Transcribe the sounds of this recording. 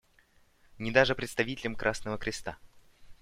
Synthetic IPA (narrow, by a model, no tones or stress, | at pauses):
nʲɪd̪aʐɨpɾʲɪt̪st̪ɐvʲitʲɪlʲɪmkɾʔasnəvəkɾʲɪst̪a̰